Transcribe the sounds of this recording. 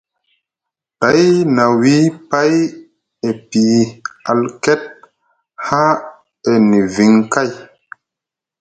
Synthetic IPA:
ta˨˦jna˨wi˦pa˦j | e˨pi˨a˨lkɛ˦t̚ | ha˦ | e˨ni˨vi˨ŋka˦j

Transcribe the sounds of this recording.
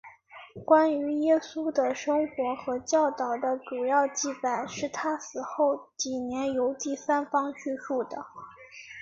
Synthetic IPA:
kwa˥ny˧˥jɛ˥su˥d̪ə˨ʂɤ˥ŋxwɔ˧˥xɤ˧˥t͡ɕjɑ˥˩ʊt̪ɑ˨˩ʊd̪ə˦ʈ͡ʂu˨˩jɑ˥˧ʊt͡ɕi˥˩pa˨˩˦nʂɻ̩˥˩t̪ʰa˥sɹ̩˨˩xo˥˩ʊt͡ɕi˨˩njɛ˧˥njo˧˥ʊt̪i˥˩sa˥nfɑ˥ŋt͡ɕʰy˥˧ʂu˥˩d̪ə˩

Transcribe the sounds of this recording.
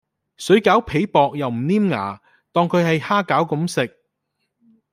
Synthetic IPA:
sɵ˨˥ɥkaː˨˥wpʰe˨˥jpɔː˨k̚jɐ˨wm̩˨˩niː˥mŋa̰ː˨˩ | t̪ɔː˧ŋkʰɵ˨˧ɥhɐ˨jhaː˥kaː˨˥wkʊ˨˥msɪ˨k̚

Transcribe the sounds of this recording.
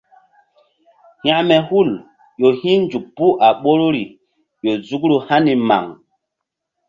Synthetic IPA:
hj̃a˦˨mɛ˨hu˦˨l | jo˨hĩ˦nd͡ʒu˨k̚pu˦ʔa˨ɓo˦ɾo˦ɾi˨ | jo˨zu˦kɾu˦ha˦ni˨ma̰˨ŋ

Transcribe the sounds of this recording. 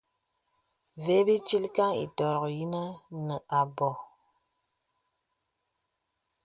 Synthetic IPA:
ve˨˦bi˦t͡ʃi˦lka˦ŋḭ˨tɔ˨ɾɔ˨kji˦nə˦nə˨ʔa˨bɔ˨

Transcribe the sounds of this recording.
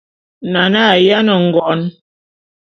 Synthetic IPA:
na˨na˦˨ja˦nə˨ŋ̩˨ɡɔ˨˦n

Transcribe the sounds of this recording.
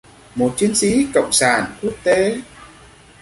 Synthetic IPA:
mo˨˩t̚t͡ɕi˨˦ənsi˨˦kə̰˧˨wŋ͡msaː˧˩nku˦˥ək̚t̪e˨˦

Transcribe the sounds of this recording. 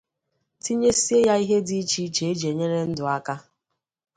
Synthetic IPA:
ti˦ɲe˦si˦e˦ja˦i˦ɦe˦di˦t͡ʃi˦t͡ʃe˨e˦d͡ʒe˨ɲe˦ɾe˦n̩˦dʊ˨a˦ka˦

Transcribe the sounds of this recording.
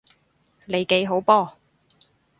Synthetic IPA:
le˨˧jke˨˥jɦo˨˥wpɔː˥

